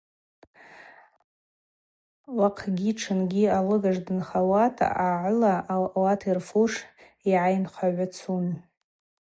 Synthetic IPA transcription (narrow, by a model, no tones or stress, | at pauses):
waqʰɡʲiʈ͡ʂʰɨnɡʲialɨɡaʐdɨnχawatʰʼaʕlawatʰirfuʂ | iʕajnχʷʰaʕʷat͡sʰun